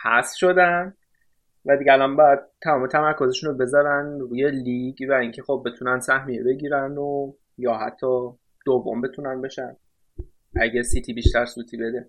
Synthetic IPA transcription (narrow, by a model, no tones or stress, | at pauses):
hæ̰sʃo̞d̪æn | væd̪iɡeælɒnbɒːjæd̪̥̚t̪ʰːæmɒːmet̪ʰæmæɾkʰozeʃunobe̞zɒɾænɾuːjeliɡvæiŋcʰe̞xob̚ːe̞t̪ʰunænd̪sæhmijebe̞ɟiːɾæno | jɒːɦæ̰t̪ʰːɒː | d̪̥ovːo̰mbe̞t̪ʰunænbe̞ʃæn | ʔæɟesit̪ʰiːbiːʃt̪æɾsuːt̪ʰiːbe̞d̪e